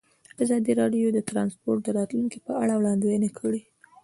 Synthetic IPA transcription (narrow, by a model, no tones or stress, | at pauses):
azɑd̪iɾɑɖjod̪ət̪ɾɑnspoɾʈ̚d̪əɾɑt̪luŋkipəaɽawɽɑnd̪ewnakʰəɽi